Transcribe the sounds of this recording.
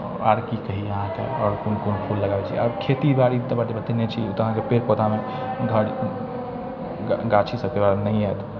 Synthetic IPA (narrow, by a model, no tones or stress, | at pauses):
aɾkikəɦiəɦãkḛɔːɾkunkonpʰulːəɡabet͡ʃʰiḭɔɾkʰet̪ibaɽit̪əbaʈibət̪inet͡ʃʰiut̪əɦãkepeɾpot̪ame | ɡʱəɽ | ɡat͡ʃʰisəbkebaɾnəĩɛt̪